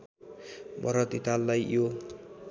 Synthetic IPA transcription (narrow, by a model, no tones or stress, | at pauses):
bʱʌɾʌt̪it̪alːajjo